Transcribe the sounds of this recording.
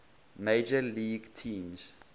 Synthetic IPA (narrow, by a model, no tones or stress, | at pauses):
med͡ʒəliɡtʰĩːms